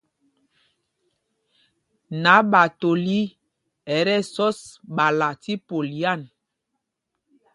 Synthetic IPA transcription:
na˨˦ɓa˨to˨li˦ | ɛ˨ɾɛ˦sɔ˦sɓa˨la˨ti˦po˨li˨˦a˦˨n

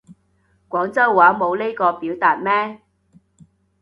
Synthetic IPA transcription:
kʷwʷɔː˨˥ŋt͡sɐ˥wːaː˨˥mo˨˧wle˥jkɔː˧piː˨˥wt̪aː˨t̚mɛː˥

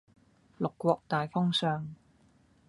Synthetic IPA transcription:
lʊ˨kʷːwɔː˧k̚t̪aː˨jfɔ˥ŋsœː˨˧ŋ

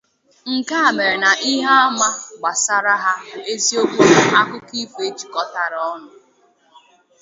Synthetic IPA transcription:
ŋ̩˨ka˦a˨me˨ɾe˨na˨ʔi˦ɦa˦a˦ma˦ɡ͡ba˨sa˦ɾa˦ɦa˦e˦zi˦o˦ɡo˦a˦kʊ˦ki˦fe˦t͡ʃi̥˨kɔ˦ta˨ɾɔ˦nʊ˨

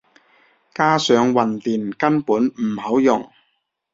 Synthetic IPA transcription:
kaː˥sœː˨˧ŋwɐ˨nt̪iː˨˩nkɐ˥npuː˨˥nm̩˨˩hɐ˨˥wjʊ˨˩ŋ

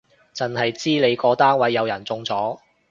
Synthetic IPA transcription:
t͡sɐ˨nhɐ˨jt͡siː˥le˨˧jkɔː˧t̪aː˥nwɐ˨˥jːɐ˨˧wjɐ˨˩nt͡sʊ˧ŋt͡sɔː˨˥

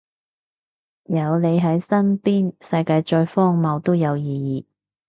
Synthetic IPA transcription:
jɐ˨˧wle˨˧jɦɐ˨˥jsɐ˥npiː˥nsɐ˧jkaː˧jt͡ʃɔː˧jfɔː˥ŋmɐ˨˧wt̪o˥wjɐ˨˧wjiː˨˧jiː˨˧

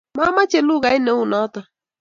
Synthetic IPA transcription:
ma˦ma˦t͡ʃe˦lu˦ɣa˨ɪ˦nɛ˨˦u˦˨nɔ˨˦t̪a˨

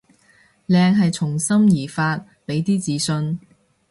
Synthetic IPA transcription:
lɛː˧ŋɦɐ˨jt͡sʰʊ˨˩ŋsɐ˥mjiː˨˩faː˧t̚ | pe˨˥jt̪iː˥t͡siː˨˧sɵ˧n

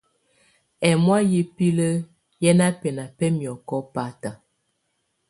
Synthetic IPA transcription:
ɛ˨mwa˦ji˦pi˦lə˦ | jɛ˦na˦pɛ˨na˨pɛ˦mjɔ˨kɔ˦pa˨˦ta˨

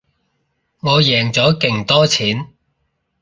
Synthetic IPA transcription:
ŋɔː˨˧jɛː˨˩ŋt͡sɔː˨˥kɪ˨˩ŋt̪ɔː˥t͡sʰiː˨˥n

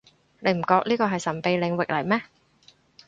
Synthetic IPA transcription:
le˨˧jm̩˨˩kɔː˨˧k̚liː˥kɔː˧ɦɐ˨jsɐ˨˩npe˨˧jlɪ˨˧ŋwɪ˨k̚lɐ˨˩jmɛː˥

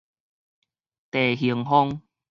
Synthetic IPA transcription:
t̪e˨˩ɦi˨˧˦əŋɦɔ˦ŋ

